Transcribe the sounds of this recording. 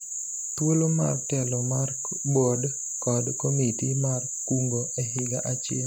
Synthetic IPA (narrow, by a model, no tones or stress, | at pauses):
t̪woloma̰rtɛloma | bod | kɔdkomitimar | kuŋɡoʔɛɦɪɡaʔat͡ʃɪm